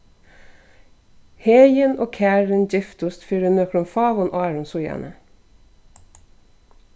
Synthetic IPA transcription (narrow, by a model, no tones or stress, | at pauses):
heːjənoːkʰæːɹənd͡ʒɪft̪ʊst̪fyːɾənøːkɾʊmfɑːʋɔnʔɑːɹʊnsʊjæ̰nʔə